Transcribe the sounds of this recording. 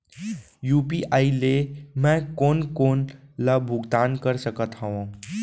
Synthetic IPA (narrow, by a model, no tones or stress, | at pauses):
jupiʔailemɛ̃konkonlabʱuɡd̪ankəɾsəkət̪ɦəʋã